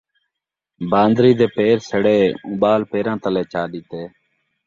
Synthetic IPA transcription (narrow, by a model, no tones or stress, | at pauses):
bʱãːnd̪ɾiːd̪eːpeːɾsəɽeːũːɓaːlpeːɾãːt̪əlẽːt͡ʃaːɗit̪eː